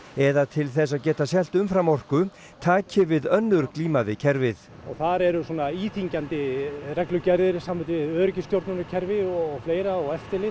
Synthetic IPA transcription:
ɛðat̪ʰɪlθɛs̬ːaðcɛːt̪asjɛl̥t̪ʏmfɾamɔr̥kʏ | t̪ʰaːcɪvɪðœnːʏɾkliːmaðɪcʰɛɾvɪθ | ɔɣθaɾɛɾʏsuɔnaiːt̪iɲcant̪ɪrɛklʏcaɾðɪɾsamvɪnt̪ɪvɪðœːɾɪcɪst̪jowɾt̪nʏnʏcʰɛɾvɪɔɣfleːjɾaɔɣɛft̪ɪlɪ

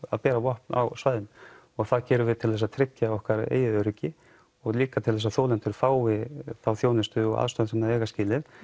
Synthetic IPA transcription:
a̰ðpɛːɾavɔhpna̰wsvajðɪn | ɔɣθaðcɛːɾʏɾvɪðt̪ʰɪlθɛs̬ːaðt̪ʰɾɪcːaɔhkaɾḛːjɪðʏɾʏcːɪ | ɔɣliːkat̪ʰɪlɛs̬aθoːwlɛn̥t̪ʏɾ̥faːwvɪθawθjoːwnɪst̪ʏɔ̰ɣa̰ðst̪ɔnsɛnaðɛːɣascɪːlɪð

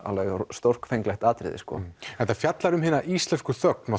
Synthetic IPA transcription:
a̰lvɛɣast̪or̥kfejŋklɛxt̪aːt̪ɾɪ̰ðɪ̰skɔ̰ɛht̪afjat̪laɾʏmɦɪːnaʔist̪lɛnskʏθœk̚nɔ

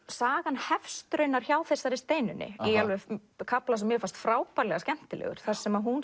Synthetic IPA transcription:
saːɣanhɛfst̪ɾʏnːaɾ̥çaːwθɛsːaɾɪst̪eːjnʏnːɪ̰ialvɛ | kʰaplasɛmːjɛfast̪fɾaːwpaɾlɛɣascɛm̥t̪ɪlɛ̰ɣʏ̰ɾ̥θasɛmaɦun

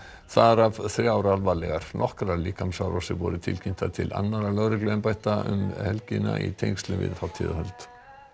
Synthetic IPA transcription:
θaɾavθɾjaːwɾalvalɛɣaɾ̥nɔhkɾaliːkamsawɾɔsɪvɔ̰ɾʏt̪ʰɪlcʰin̥t̪at̪ʰɪla̰nːaɾalœɣɾɪklɛɣʏnpajht̪aʔʏ̰mhɛlcɪna̰ʔḭt̪ʰejŋst̪lɪvɪ̰ðfawt̪ʰiðaɦœlt̪

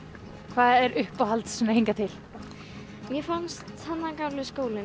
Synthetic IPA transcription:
kʰvaːðɛɾʔʏhpawhalt̪ssɛmɛheŋkat̪ʰɪl | mjɛfanst̪hanːakawlʏskoːwlɪ

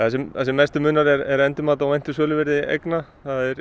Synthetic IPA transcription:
θasɛmθasɛmːɛst̪ʏmʏːnaɾɛɾɛɾɛnt̪ʏmaːt̪awejn̥t̪ɪsœːlʏvɛɾðɪḛjkna | θaðɛɾ

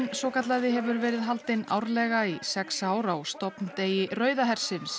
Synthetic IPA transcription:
nsɔːkat̪laðɪɦɛvʏɾvɛːɾɪðɦalt̪ɪna̰ːwɾlɛɣaisɛksaːwɾawst̪ɔpnt̪eːjɪrœːɥðaɦɛr̥sɪns

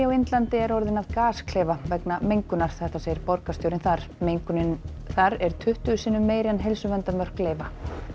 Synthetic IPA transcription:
awent̪lant̪ɪɛɾɔɾðɪnaðkaːskʰleːvavɛknamejŋkʏnaɾ̥θɛht̪aseːjɪɾpɔɾkast̪jowɾɪnθaɾ̥mejŋkʏnɪn | θaɾɛɾ̥t̪ʰʏht̪ʏʏsiːnːʏmːeːjɾɛnɦejlsʏvɛnt̪amœr̥kleːjva

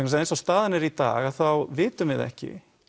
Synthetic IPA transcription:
kns̬ðejnsɔst̪aːðɪnɛɾit̪a̰ːɣaðθawvɪːt̪ʏmɪðɛ̰hcɪ̰

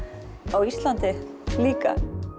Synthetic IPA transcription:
awist̪lant̪ɪ | liːka̰

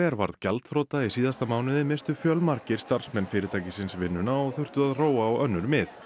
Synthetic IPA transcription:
ɛɾva̰ɾðcalt̪θɾoːt̪aisiːðast̪amaːwnɪðɪmɪst̪ʏfjœlmaɾcɪɾ̥st̪ar̥smɛnfɪɾɪɾt̪ʰaːjcɪsɪnsvɪnːʏnaɔɣθʏr̥t̪ʏðaðroːwaɔɣœnːʏɾmɪθ

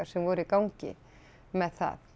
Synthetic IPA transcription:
aɾ̥sɛmvɔːɾʏikawɲcɪ̰ | mɛðθa̰ð

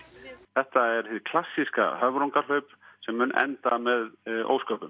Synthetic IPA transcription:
θɛht̪aɛɾ̥θɪkʰlasːiska̰hœvɾoŋkaɾ̥hœɥpsɛmːʏnʔɛ̰nt̪amɛðo̰wskœːpʏm

